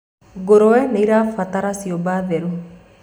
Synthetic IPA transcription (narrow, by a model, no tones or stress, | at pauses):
ɡoɾɔwɛnɛiɾafat̪aɾasiobaðeɾu